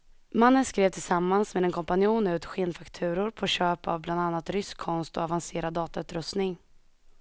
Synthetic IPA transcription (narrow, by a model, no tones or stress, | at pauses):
manːənskɾeːvt̪ʰɪlsamːansmeːd̪ɛnkʰɔmpanɪuːnʉ̟ːt̪ɧeːnfakt̪ʰʉ̟ːɾʊɾpʰɔɕøːpa̰vbland̪anːat̪ɾʏskʰːɔnst̪ɔavanseːɾad̪ːɑːt̪aʉ̟ːt̪ɾɵst̪nɪŋ